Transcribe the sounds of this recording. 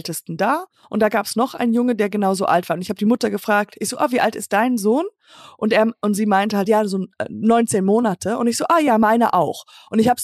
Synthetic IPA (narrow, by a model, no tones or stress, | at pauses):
ltəstn̩daː | ʔʊnt̚d̥aːɡaːpsnɔχʔa̰ɪnənjʊŋədeːɐɡənaʊzo̰ːʔa̰ltv̥aːʊntɪçhaːbədiːmʊtɐɡəfʁ̥aːk̚tʰɪçz̥oːʔa̰viːʔaltɪst̚d̥aɪnzoːn | ʔʊnteːɐʊntz̥iːmaɪntəhaltjaːzoːɛ̰nɔʏnt͡seːnmoːnatʰəʊ̰ntɪçz̥oːʔaxjaːmaɪnəʔaʊxʔʊntɪçhaːbə